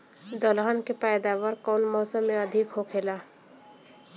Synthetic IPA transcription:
d̪əlɦənkepajd̪aːwəɾkɔːnmɔːsəmːẽəd̪ʱɪkɦokʰeːlaː

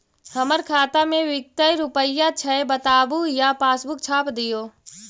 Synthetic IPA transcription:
həməɾkʰaːt̪amẽʋɪk̚t̪əjɾʊpəijːat͡ʃʰɐebət̪aːbujapaːsbʊkt͡ʃʰaːpd̪ijoː

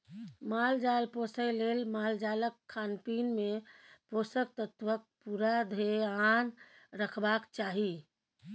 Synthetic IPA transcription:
mald͡ʒalposəjlelmald͡ʒaləkʰːanpinmeposək̚t̪ət̪ʋək̚puɾad̪ʱeanɾəkʰbakt͡ʃaɦi

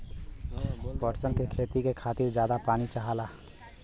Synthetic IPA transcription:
pəɾsənkekʰeːt̪ikekʰaːt̪iɾd͡ʒjaːd̪apaːnit͡ʃaɦala

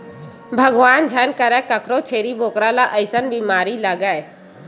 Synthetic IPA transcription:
bʱəɡʋaːnd͡ʒʱənkəɾɛ̃ːkəkʰɾot͡ʃʰeːɾiboːkɾalaːʔəɪsənbiːmaːɾiləɡae

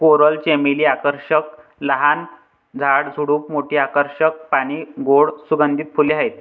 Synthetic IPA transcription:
koɾəlt͡ɕemiliːakəɾɕək̚ | ləɦan | d͡zʱaɽd͡zʱuɽuːpmoʈʰiːakəɾɕək̚paɽ̃iːɡoɽsuɡənd̪ʱit̪̚fʰuliaɦet̪̚

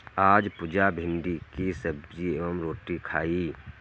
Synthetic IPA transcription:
aːd͡ʒpʊd͡ʒabʱɪ̃nɖikisəb̚d͡ʒieːʋəmɾoːʈikʰaːiː

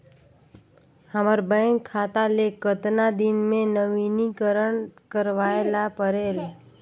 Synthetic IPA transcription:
həməɾbəɪŋkʰːat̪alekət̪nad̪inmẽnəʋinikəɾəɳkəɾʋajelapəɾel

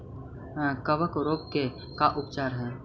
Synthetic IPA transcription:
kəʋəkɾoːp̚ke | kaʔʊpt͡ʃaːɾɦɛː

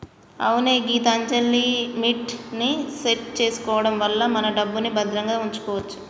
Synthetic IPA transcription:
ɐ̰wuneːɡiːt̪ɐɐɲt͡ʃɐlːimiʈniseʈ̚t͡ʃe̞ːsu̥kɔːʋɐɽɐmʋɐlːɐmɐnɐɖɐbːunibɐd̪ɾɐŋɡaːuɲt͡ʃu̥kɔːʋɐt͡ʃːu̥

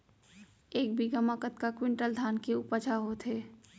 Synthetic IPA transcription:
eːk̚bʱiɡəmakət̪kakwɪ̃ɳʈəld̪ʱaːnkeʊpat͡ʃʰaɦot̪ʰɦeː

